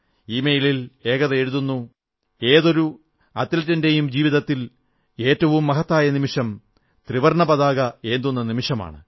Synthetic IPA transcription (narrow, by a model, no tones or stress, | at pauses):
iːmejilile̞ːɣɐðɐe̞ɻuðunːu | e̞ːðo̞ɾu | ɐt̪ːlɐtːɐnde̞jumd͡ʑiːʋiðɐt̪ːil | e̞ːtːɐʋumːɐɦɐt̪ːaːjɐnimiʂɐm | t̪riʋɐrɳɐbɐðaːɣɐe̞ːnd̪unːɐnimiʂɐma̰ːɳɨ̰